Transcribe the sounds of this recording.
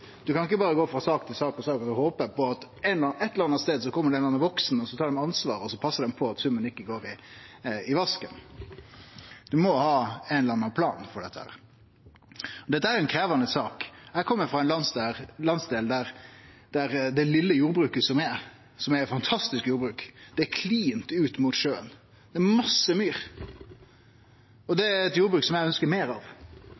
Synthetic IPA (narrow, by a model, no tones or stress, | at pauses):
d̪̥ʉkʰɑnɪkːəbɑːɾəɡoːfɾɑsɑːkt̪ʰɪlsɑːkɔsɑːkɑt̪ʉhoːpəɾpɔɑt̪ | ɛnɛt̪ːələɾɑnɑst̪eːd̪s̬ɔkʰɔmːəɖɛnɑnɑʋɔksnɔsɔt̪ʰɑːɾɖ̪ɛmɑnsʋɑ̰ːɾɔsɔpʰɑsːəd̪ɛmpʰɔɑt̪sʉmːənɪkːəɡoːɾɪ | ɪʋɑskə̰n | d̪ʉmɔhɑːɛnlɑnːɑpʰlɑ̰ːnfɔɖɛt̪ːəhæ̰ːɾ | ɔd̪ɛt̪ːəæɾjʊɛnkʰɾeːʋɑnəsɑːkjæɪkʰɔmːəɾfʁɑɛnlɑnseːɾlɑnsd̪eːld̪æɾ | d̪̥æɾd̪ɛlɪlːəjuːɾbɾʉːkəsɔmɛ | sɔmæfɑnt̪ʰɑst̪ɪskjuːɾbɾʉːkd̪̥ɛækʰliːnt̪ʉːt̪muːt̪ʃøːə̰n | d̪̥ɛæɾmɑsːəmyːɾ | ɔd̪ɛæɾɛt̪juːɾbɾʉːksɔmjæɪœnskəɾmeːɾɑʋ